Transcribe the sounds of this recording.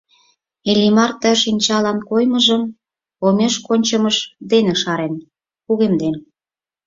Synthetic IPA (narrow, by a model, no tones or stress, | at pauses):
elʲimɑrt̪ə̆ʃinʲt͡ɕɑlɑnkojmə̆ʒəm | omeʃkonʲt͡ɕə̆məʃd̪eneʃɑɾen | kuɣemd̪en